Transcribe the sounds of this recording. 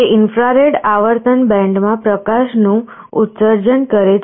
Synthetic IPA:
eʔɪnfɾaɾeɖaʋəɾt̪ənbɛ̃ɳɖmãpɾəkaʃnũ | ut̪səɾd͡ʒənkəɾe

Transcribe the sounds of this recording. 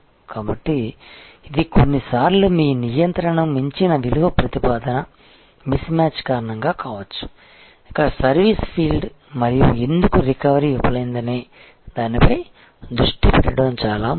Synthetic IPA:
kaːbɐʈːiː | d̪ikonːisaːɾlumiːnijɐnt̪ɾɐɳɐmːiɲt͡ʃinɐʋiluʋɐpɾɐt̪ipaːd̪ɐnɐ | mismaːt͡ʃkaːɾɐɳɐŋɡaːkaːʋɐt͡ʃːu̥ | ikɐsɐɾʋispʰiːlɖmɐɾijṵe̞nd̪ukuɾikɐʋɐɾiupɐlɐjind̪ɐne̞ː | d̪aːnipɐj | d̪ɾuʂʈipɛɽɐɽɐmt͡ʃaːlaː

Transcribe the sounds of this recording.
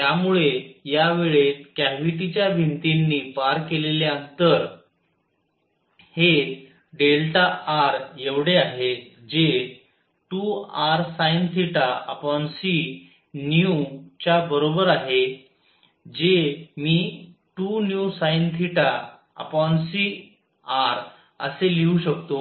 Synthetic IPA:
t̪jamuɭejaʋeɭet̪kæʋiʈit͡ɕjabʱint̪inːiːpaɾkeleleənt̪əɾ | he | ɖelʈaaɾjeʋɽeaɦe | d͡ʑe | ʈuaɾsajnt̪ʰiʈaə̰pɔnsi | njut͡ɕjabəɾobəɾaɦe | d͡ʑemiː | ʈunjusajnt̪ʰiʈa | ə̰pɔnsi | aɾ | ə̰seliuɕəkt̪o

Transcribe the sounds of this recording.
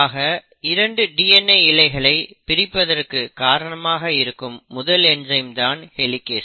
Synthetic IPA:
aːɣɐ | ɪɾɐɳɖɯɖiːɛnɐɪɪlɐɪɣɐɭɐɪpɪɾɪpːɐðɐrkɯkaːɾɐɳɐmaːɣɐɪɾɯkːɯmːʊðɐlɛnd͡ʒɐɪmd̪aːnhɛlɪkːeːs

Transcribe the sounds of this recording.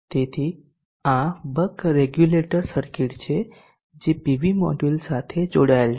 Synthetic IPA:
t̪et̪ʰi | ãbəkɾeɡjuleʈəɾsəɾkiʈt͡ɕʰe | d͡ʑepiʋimɔ̰ɖulsat̪ʰed͡ʒoɽajl

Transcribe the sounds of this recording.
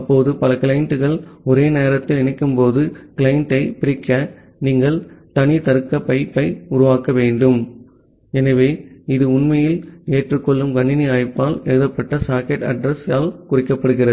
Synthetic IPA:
ɐpːoːðɯpɐlɐkɪɭɐɪɳʈɯɣɐɭɔɾeːneːɾɐt̪ːɪlɪnɐɪkːɯmpoːðɯkɪlɐɪɳʈɐɪpɪɾɪkːɐ | niːŋɡɐɭt̪ɐnɪt̪ɐɾɯkːɐpɐɪpːɐɪʊɾʊʋaːkɐʋeːɳɖɯm | ɛnɐʋeːɪðɯʊɳmɐjɪleːʈrɯkːɔɭːɯmɡɐɳːɪniɐːɻpːaːlɛɻɯðɐpːɐʈːɐsaːkɛʈɐ̰ɖɾɐsaːlkʊrɪkːɐpːɐɽɯɣɪrɐðɯ

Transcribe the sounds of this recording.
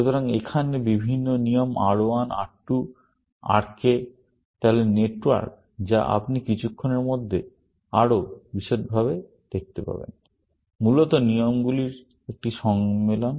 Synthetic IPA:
ʃut̪oɾaŋekʰanebibʱinːonijomʔa̰ɽoana̰ʈːu | a̰ɾke | t̪aɦoleneʈwa̰ɾk | d͡ʑaʔa̰pnikit͡ɕʰukʰːoneɾmod̪ʱːe | aɽobiʃetbʱaβe | d̪̥ek̚t̪epa̰bḛn | mulot̪oniomɡuliɾ | ek̚ʈiʃɔŋmelon

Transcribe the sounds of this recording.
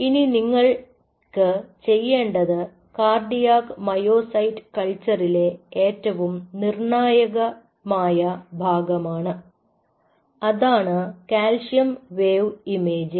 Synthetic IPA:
ininiŋːɐɭ | kɨt͡ɕe̞jːe̞ːɳɖɐðɨ | kaːrɖijaːkmɐjo̞ːsɐjtkɐɭt͡ɕːɐrile̞eːtːɐʋumnirɳaːjɐɣɐ | maːjɐbʱaːɡɐmaːɳɨ | ɐðaːɳɨkaːlʂjɐmʋeːʋime̞ːd͡ʑɨ

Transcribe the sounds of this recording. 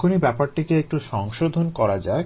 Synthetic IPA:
kʰonibɛpaɾʈikeek̚ʈuʃɔŋʃod̪ʱonkɔɾad͡ʑae

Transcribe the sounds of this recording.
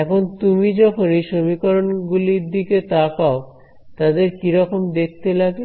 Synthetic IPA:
ɛkʰont̪umid͡ʑɔkʰonejʃomikoɾonɡuliɾd̪iket̪akao | t̪ad̪eɾkiɾɔkomd̪ek̚t̪elaɡe

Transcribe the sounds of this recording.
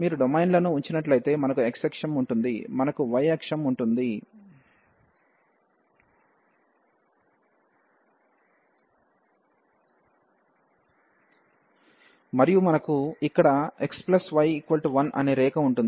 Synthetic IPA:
miːɾuɖomɐjnlɐnuːɲt͡ʃinɐʈlɐjt̪e̞ːmɐnɐkueksekʂɐmuɳʈund̪imɐnɐkuʋɐjɛkʂɐmuɳʈund̪i | mɐɾijumɐnɐkuikːɐɽɐe̞ksplɐsʋɐjikʋɐlʈuʋɐnʔɐ̰neːɾɛːkɐuɳʈund̪

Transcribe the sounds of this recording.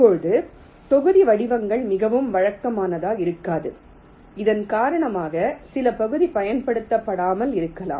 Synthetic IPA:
ɐpːoɻɯðɯ | t̪ɔɣɯðiʋɐɽɪʋɐŋɡɐɭmɪɣɐʋɯmʋɐɻɐkːɐmaːnɐðaːɪɾɯkːaːðɯ̰ | ɪðɐnkaːɾɐɳɐmaːɣɐsɪlɐpɐɣɯðipɐjɐnpɐɽɯt̪ːɐpːɐɽaːmɐlɪɾɯkːɐla̰ːm

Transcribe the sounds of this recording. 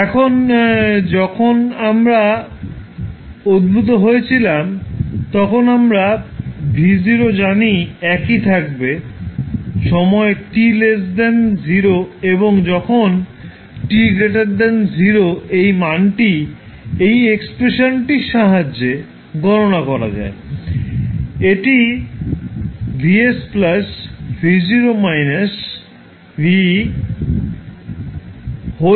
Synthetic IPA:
ɛkʰond͡ʑɔkʰonamɾa | od̪̚bʱut̪̬oɦojet͡ɕʰilamt̪ɔkʰonamɾabʱiziɾod͡ʑaniɛkit̪ʰak̚be | ʃɔmɔeʈilesd̪enziɾoeboŋd͡ʑɔkʰon | ʈiɡɾeʈaɾd̪enziɾoejmanʈi | ejekspɾeʃonʈiʃaɦad͡ʑːe | ɡʱɔɾonakɔɾa̰d͡ʑa̰e | eʈi | bʱiesplasfid͡ʑiɾomajnas | bi | ɦo

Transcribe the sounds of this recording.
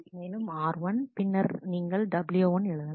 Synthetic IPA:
meːlɯmaːɾʋɐnpɪnːɐɾniːŋɡɐɭɖɐbljuːʋɐnɛɻɯðɐl

